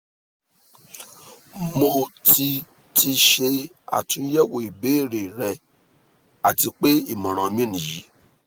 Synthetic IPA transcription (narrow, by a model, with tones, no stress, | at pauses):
mo˧ti˧ | ti˧ʃe˧ | a̰˨tũ˦jɛ˦wo˨i˨be˨˦˨ɾe˨ɾɛ˨ | a˨ti˨˧˦k͡pe˦i˦˨mɔ̃˨ɾ̃ɔ̃˨˧mĩ˦nĩ˨ji˨˦